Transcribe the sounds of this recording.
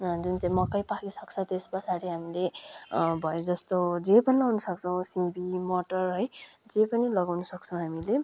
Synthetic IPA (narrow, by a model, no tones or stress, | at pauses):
d͡zunt͡saĩmʌkːʌjpakisʌk̚t͡sʰʌt̪espʌt͡sʰaɾiɦamile | bʱʌjod͡zʌst̪od͡zepʌnilʌwnʌsʌk̚t͡sʰʌw̃sibʱimoʈʌrɦʌj | d͡zepʌnilʌɡawnʌsʌkt͡sʰʌ̃w̃ɦamile